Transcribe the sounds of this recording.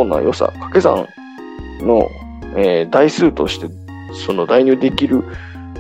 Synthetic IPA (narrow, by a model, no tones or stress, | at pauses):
onːa̰jo̞sa̰kḁke̞zã̰ŋ | no̞̰ | eːd̪aisɨːt̪o̞̰ɕi̥t̪e̞ | so̞no̞d̪aiɲ̟ʲɨːd̪e̞kʲiɾɯ̟